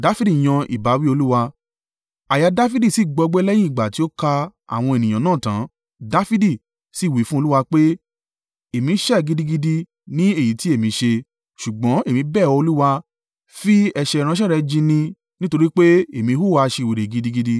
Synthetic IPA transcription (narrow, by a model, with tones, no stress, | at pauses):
da˨˦fi˦di˦˨j̃ã˧ʔḭ˨ba˨˦wi˦o˧lu˦wa˧ | a˨ja˨˧da˦fi˦di˦˨si˦˨ɡ͡bɔ˧ɡ͡blɛ˦jĩ˦i˨ɡ͡ba˨ti˨˦o˦ka˧a̰˨w̃ɔ̃˧e˨nĩ˨ã˨nãː˦˨tã̰˨˦ | da˦fi˦di˦˨ | si˦˨wi˨˦fũ˦o˧lu˦wa˧k͡pe˦ | e˨mĩ˨˦ʃɛ˦˨ɡi˧di˧ɡi˧di˧ | nĩ˦e˦˨ji˨˦ti˦e˦˨mĩ˨˦ʃe˧ | ʃu˨ɡ͡bɔ̃˨˦e˦˨mĩ˧˦bɛ˦˨ɔ˧o˧lu˦wa˧ | fi˦ɛ˧ʃɛ˧˨˧ɾ̃ã˧˦ʃ̬ɛ˦˨ɾɛ˧d͡ʒĩ˧nĩ˧ | nĩ˦to˧ɾi˦k͡pe˦e˨mĩ˨˧˦hu˦˨wa˧ʃe˧˨we˨ɾe˨ɡi˧˦di˧ɡi˧di˧